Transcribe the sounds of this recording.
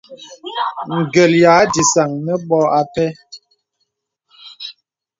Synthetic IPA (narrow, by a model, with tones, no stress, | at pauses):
ŋ̩˨ɡə˨ljaː˨˦di˨sa˨ŋnɛ˦ɓɔ˦a˦pɛ˦